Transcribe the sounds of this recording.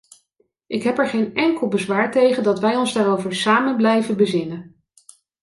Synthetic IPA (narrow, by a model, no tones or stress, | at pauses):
ʔɪkɦɛpɛɹχejnɛŋkəlˠbəzʋaːɹtejχəndɑtʋɛjɔnzdaːrowvəɹsaːmənblɛjvənbəzɪnən